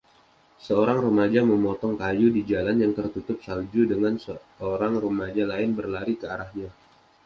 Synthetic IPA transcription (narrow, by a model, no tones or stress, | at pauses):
səoɾaŋɾumad͡ʒaməmɔt̪ɔŋkajudid͡ʒalanjaŋt̪ərt̪ut̪ʊp̚sald͡ʒudəŋansə | oɾaŋrumad͡ʒalaɪnbərlaɾikəaɾahɲa